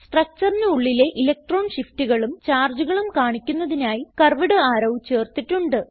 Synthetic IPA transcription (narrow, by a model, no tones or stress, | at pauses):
sʈrɐk̚t͡ɕɐrnɨuɭːile̞ʔilɐk̚ʈro̞ːnɕiftiɣɐɭumt͡ɕaːrd͡ʑuɣɐɭumkaːɳikʲːunːɐðinaːjikɐrʋiɽɨaːɾɐʋt͡ɕe̞ːrt̪iʈːuɳɖɨ